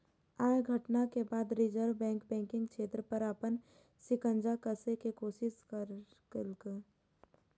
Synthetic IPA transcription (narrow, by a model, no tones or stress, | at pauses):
aːjɡʱəʈnakebaːd̪ɾɪd͡ʒəɾʋbɛ̃ːŋkbɛ̃ːŋkɪ̃ŋɡt͡ʃʰeːt̪ɾəpəɾaːpən | sɪkə̃nd͡ʒakəsekekoːsɪskəɾ | klk